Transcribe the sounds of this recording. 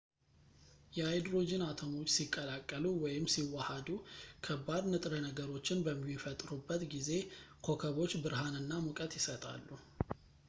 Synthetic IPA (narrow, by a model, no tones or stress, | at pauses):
jɛajd̪ɾo̞d͡ʒɪnat̪ʰəmo̞t͡ʃːsikʼːəlakʼːəluwɔjɪmsiwahad̪ukʰəbad̪nɨt̪ʼɾənəɡəɾo̞t͡ʃːɪnbəmːifət̪ʼɾubːət̪ɡize̞kʰo̞kʰəβo̞t͡ʃːbɨɾɦanɨnːamukʼət̪jɪsət̪ʼa̰lːu